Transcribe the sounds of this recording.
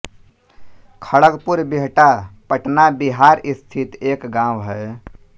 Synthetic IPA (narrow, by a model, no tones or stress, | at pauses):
kʰəɭəɡpuɾbiɦʈapəʈnabiɦaɾist̪ʰit̪ekɡãwɦɛ